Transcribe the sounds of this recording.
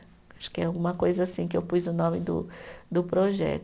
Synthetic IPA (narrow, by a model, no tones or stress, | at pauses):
aʃʊ̥kɪɛawɡũmɐkojzɐasĩkɪewpujzʊnõmɪd̪ʊ̰d̪ʊpɾoʒɛ̰t̪